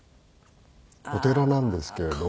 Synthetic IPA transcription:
hot̪e̞ɾanãnd̪e̞sɨ̥ke̞ɾed̪o

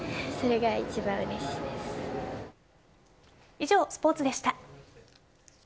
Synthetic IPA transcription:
so̞ɾe̞ɡait͡ɕibãɰ̃ɯɾeɕi̥ːd̪e̞sɨ̥ | iʑo̞ːsɨ̥po̞ːt͡sɨd̪e̞ɕi̥t̪a

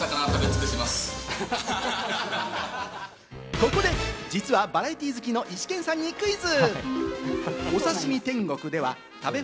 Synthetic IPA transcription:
sakanat̪abet͡sɨ̥ket̪emasɨ̥ | ko̞ko̞d̪e̞d͡ʑit͡sɨβabaɾait̪ʲiːzɨkʲino̞ʔiɕi̥kẽ̞ɰ̃sãɲ̟ːikɯ̟izɨ | o̞saɕimʲit̪ẽ̞ŋɡo̞kɯ̟d̪e̞βa | t̪abe̞

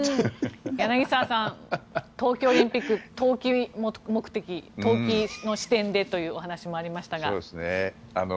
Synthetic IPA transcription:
janaɡʲisasãnt̪o̞ːkʲo̞ːɾʲĩmpʲikːɯ̟t̪o̞ːkʲimmo̞kɯ̟̥t̪e̞kʲio̞ːkʲino̞ɕi̥t̪ẽ̞nd̪e̞t̪o̞jɯ̟ːoɦanaɕimo̞aɾʲimaɕi̥t̪aɡaoːdesɨne | ano

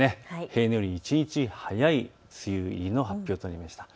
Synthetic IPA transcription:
e̞he̞ːnojoɾʲiit͡ɕiɲ̟it͡ɕihajai | t͡sɨjɯiɾʲino̞ɦapʲːo̞ːt̪onːaɾʲimaɕi̥t̪ḁ

